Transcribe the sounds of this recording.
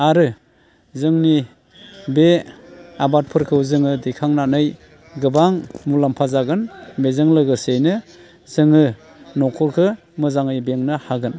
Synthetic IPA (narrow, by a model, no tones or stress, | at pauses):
aɾɯ | zɯŋni | be | abat̚pʰɯɾkʰɯwzɯŋɯdikʰaŋnanɯj | ɡɯbaŋmulampʰazaɡɯnbezɯŋlɯɡɯsejnɯ | z̥ɯŋɯ | nɔkʰɔlkʰɯ | mɯzaŋɯjbeŋnɯhaɡɯn